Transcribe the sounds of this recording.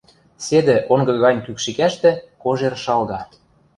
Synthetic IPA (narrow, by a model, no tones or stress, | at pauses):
sed̪ĕʔoŋɡɤ̆ɣɑnʲkykʃikæʃt̪ĕkoʒerʃɑlɣɑ